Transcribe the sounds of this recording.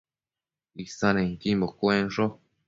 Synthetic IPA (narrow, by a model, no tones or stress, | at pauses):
isanẽŋkimbokwenʐo